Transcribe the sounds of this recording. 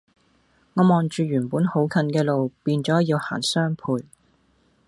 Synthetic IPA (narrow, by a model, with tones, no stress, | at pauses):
ŋɔː˨˧mɔː˨nt͡ʃyː˨˧jyː˨˩npuː˨˥nho˨˥wkʰɐ˨˧nkɛː˧lo˨wpiː˧nt͡ʃɔː˨˥jiː˧wha̰ː˨˩nsœː˥ŋpʰuː˧j